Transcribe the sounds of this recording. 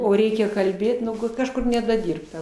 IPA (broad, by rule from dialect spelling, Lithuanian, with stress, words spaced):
oː ˈrʲɛɪkʲɛ kɐlʲˈbʲeːt nʊ ˈɡʊt ˈkɑːʃkʊr nʲɛdɐˈdʲɪrptɐ